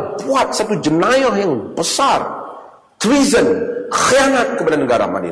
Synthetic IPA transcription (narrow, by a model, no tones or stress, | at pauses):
puat̪̚sat̪ud͡ʒənajahjaŋbəsar | t̪ɾizənxianat̪̚kəbadanəɡaɾa̰ma̰nḭ